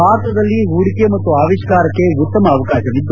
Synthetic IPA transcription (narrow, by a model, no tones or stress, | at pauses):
maːɾt̪ɐd̪ɐlːiuɽikemɐt̪ːuaːʋiʃkaːɾɐkːe̞ut̪ːɐmɐːʋɐkaːʃɐʋid̪ːu